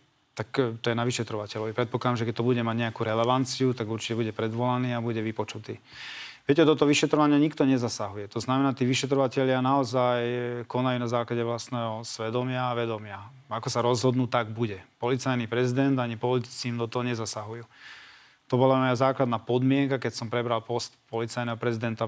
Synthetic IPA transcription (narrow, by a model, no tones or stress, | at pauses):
t̪akt̪ɔjɛnaʋiʃɛt̪ɾɔʋacɛʎɔʋipɾɛt̪̚pɔklad̪amʒɛkɛt̪ɔbuɟɛmaɟɲɛakuːɾɛlɛʋant͡siut̪aɡuɾt͡ʃi̥cɛbuɟɛpɾɛd̪ʋɔlaniːabuɟɛʋipɔt͡ʃut̪iː | ʋɪɛcɛd̪ɔt̪ɔʋiʃɛt̪ɾɔʋaɲɪaɲikt̪ɔɲɛzasaɦujɛt̪ɔznamɛnaːt̪iːʋiʃɛt̪̬ɾɔʋacɛʎɪanaɔzajkɔnajuːnazaːklaɟɛʋlast̪nɛːɦɔsʋɛd̪ɔmɪaːʋɛd̪ɔmɪa | akɔsaɾɔzɦɔd̪nuːt̪aɡbuɟɛpɔlit͡sajnipɾɛzid̪ɛnd̪aɲipɔlit̪i̥t͡siːmd̪ɔt̪ɔɦɔɲɛzasaɦujuː | t̪ɔbɔlamɔjazaːklad̪naːpɔd̪mɪɛŋkakɛcsɔmpɾɛbɾalpɔst̪pɔlit͡sajnɛɦɔpɾɛzid̪ɛnt̪a